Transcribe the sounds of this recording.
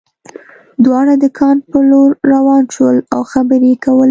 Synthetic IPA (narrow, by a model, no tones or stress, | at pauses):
d̪wɑɽad̪əkʰɑnpəloɾːawɑnʃəlawxabəɾekawəl